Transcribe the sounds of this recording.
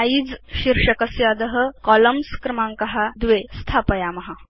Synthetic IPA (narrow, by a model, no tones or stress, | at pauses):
aid͡zɕiɾʂəkəsjad̪əɦəkɔləmskɾəmaŋkɐɦad̪ʋest̪ʰapəjamɐɦa